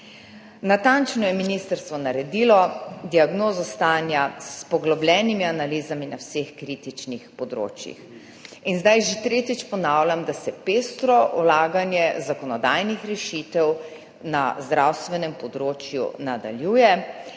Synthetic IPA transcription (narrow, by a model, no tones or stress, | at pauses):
nat̪ant͡ʃnɔjɛminist̪əɾst̪ʋɔnaɾɛd̪iːlɔd̪iaɡnoːzɔst̪aːnjaspɔɡlɔblʲɛnimianaliːzaminawsexkɾit̪it͡ʃnixpɔd̪ɾo̰ːt͡ʃjḭx | inzd̪ajʒet̪ɾeːt̪it͡ʃpɔnaːwlʲamd̪asɛpeːst̪ɾɔwlaːɡanjɛzakɔnɔd̪aːjnixɾɛʃit̪ɛw | na̰zd̪ɾawst̪ʋɛnɛmpɔd̪ɾoːt͡ʃjṵnad̪a̰ljuːjɛ